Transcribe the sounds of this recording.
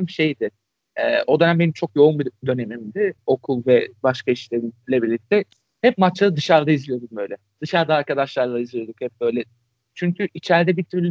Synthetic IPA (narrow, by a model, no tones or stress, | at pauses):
mʃejd̪ɪ | ɛ̰ːʔo̞d̪ønæmbe̞nimt͡ʃʰo̞kjo̞umbid̪ø̞ne̞mimd̪ɪo̞kʰulˠvɛbaʃkaiʃlʲeɾimlʲebiɾlʲic̚t̪ʰɛ | hɛp̚mat͡ʃlˠaɾɯd̪ɯʃaɾd̪aizlʲijod̪uk̚bø̞jlʲɛ | d̪̥ɯʃaɾd̪aːɾkʰad̪aʃlˠaɾlˠaizlʲijo̞d̪ukhɛp̚bø̞jlʲɛ | t͡ʃʰyɲcʰyʔit͡ʃʰæɾd̪ɛbit̪ʰyɾlʲ